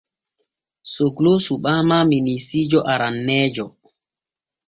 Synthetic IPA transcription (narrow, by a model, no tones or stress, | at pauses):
soɡlosuɓaːmaminisiːd͡ʒɔʔaɾanːɛːd͡ʒɔ